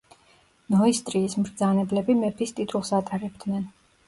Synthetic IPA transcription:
nɔist̪ʼɾiːsmɾd̪zanɛblɛbimɛpʰist̪ʼit̪ʰʼulˠsat̪ʼaɾɛb̚d̪nɛn

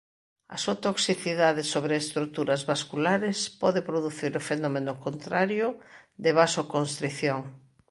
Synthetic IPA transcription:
ɐ̰suat̪oksiθiðaðɪsoβɾeːst̪ɾut̪uɾɐzβaskulaɾɪspɔðɪpɾoðuθiɾʊfenɔmenʊkont̪ɾaɾjʊd̪ɪβasokõnst̪ɾiθjoŋ

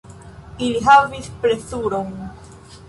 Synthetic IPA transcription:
iliɦavispɾesuɾon

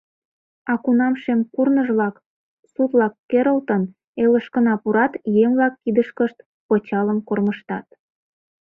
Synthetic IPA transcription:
ɑkunɑmʃemkurnəʒβlɑk | sut̪lɑkːeɾəlt̪ən | eləʃkənɑpuɾɑt̪jemβlɑkːid̪əʃkəʃt̪ | pot͡ɕɑləmkorməʃt̪ɑt̪̚

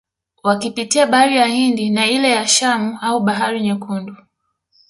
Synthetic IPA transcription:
wakipitiaɓaɾijahindinailɛjaʃamuauɓaɦaɾiɲɛkundu

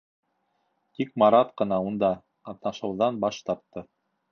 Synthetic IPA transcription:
t̪ikmɑɾɑt̪qɤ̆nɑund̪ɑ | qɑt̪nɑʃɤ̆wðɑnbɑʃt̪ɑɾ̚t̪ːɤ

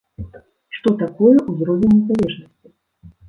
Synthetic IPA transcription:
ʂt̪ɔt̪akɔjɛʔuzɾɔvʲɛnʲːɛzalʲɛʐnɐsʲt͡sʲi

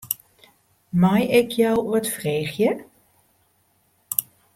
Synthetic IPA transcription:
majɪkʰjœwuətfreːxjə

